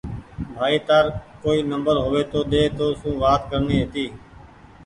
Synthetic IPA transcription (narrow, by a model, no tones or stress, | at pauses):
bʱaːiːt̪aːɾkoːiːnəmbəɾɦoːʋeːt̪oːɗ̪eːt̪oːsũːʋaːt̪kəɾniːɦeːt̪iː